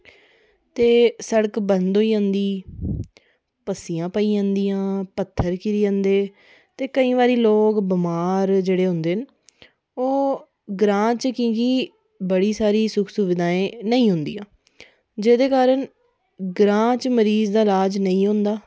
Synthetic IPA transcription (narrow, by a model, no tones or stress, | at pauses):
t̪eːsəɽəkbənd̪oːiːãːnd̪iː | pəsijãːpəiːãːnd̪iːãːpət̪ʰːəɾkɪɾiːãːnd̪eː | t̪eːkəĩːʋaːɾiːloːkbəmaːɾd͡ʒeːɽeːɦʊ̃nd̪eːɦn | oː | ɡɾãːt͡ʃkĩːkiː | bəɽiːsaːɾiːsʊkʰsʊʋɪd̪aːẽːnəĩːɦʊ̃nd̪ḭːãː | d͡ʒeːd̪eːkaːɾəɳ | ɡɾãːt͡ʃməɾiːzd̪aːlaːd͡ʒnəĩːɦʊ̃nd̪aː